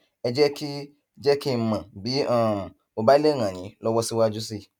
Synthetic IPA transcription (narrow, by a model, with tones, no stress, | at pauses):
ɛ˧d͡ʒɛ˦ki˦ | d͡ʒɛ˦ki˦˧˨mã˨bi˨˦ã˦˨ | o˨ba˦i˦le˦˨ŋ̃ã˨ɲ̃ĩ˨˦lɔ˦wɔ˧˦si˧˦wa˧d͡ʒu˦s̬i˦˨